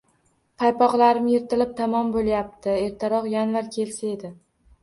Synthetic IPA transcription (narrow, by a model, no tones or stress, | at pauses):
pʰajpɒqlˠaɾɪmjeɾt̪ʰɪlɪp̚t̪ʰamɒmbolˠjap̚t̪ʰɪe̞ɾt̪ʰaɾɒqjanvaɾkʲʰe̞lsae̞d̪ɪ